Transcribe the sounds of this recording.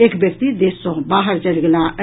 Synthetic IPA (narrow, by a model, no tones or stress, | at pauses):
eːkbjək̚t̪id̪eːsɔ̃baːɦəɾd͡ʒəlɡlaə